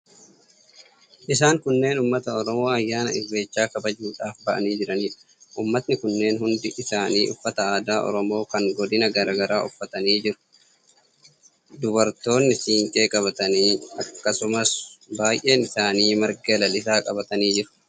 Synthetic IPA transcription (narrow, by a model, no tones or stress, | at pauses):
ʔɪs̬aːŋkʊnːe̞ːnʊːmːɐt̪ɐɔɾɔmo̞ːɐjːaːnɐ̰ɪrːe̞ːt͡ʃːaːkɐbɐd͡ʒuːᶑaːfbɐʔɐ̰niːd͡ʒɪɾɐniːᶑɐ | ʔuːmːɐt̪nɪkʊnːe̞ːnhʊnd̪ɪʔɪsaːniːʔʊfːɐt̪ɐaːd̪aːʔɔ̰ɾɔmo̞ːkɐŋɡɔd̪ɪnɐɡɐɾaːɡɐɾaːʔʊfːɐt̪ɐniːd͡ʒɪɾʊ̥ | d̪ʊbɐɾt̪o̞ːnːɪsiːŋkʼe̞ːkʼɐβɐt̪ɐniːɐkːɐsʊmɐsbaːjʔe̞ːnɪsaːniːmɐɾɡɐlɐlɪsaːkʼɐbɐt̪ɐniːd͡ʒɪɾʊ̥